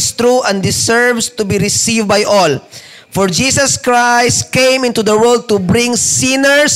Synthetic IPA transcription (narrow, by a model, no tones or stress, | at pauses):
st̪ɾuʔɛ̃nd̪ɪsɛɹvst̪ʊbiɾɪsivbajʔɔl | fɔɹd͡ʒiːsɐskɹajst̪kẽjmɪ̃nt̪ud̪ɐwɔld̪̚t̪ʊbɾɪ̃ŋsĩnɛɹs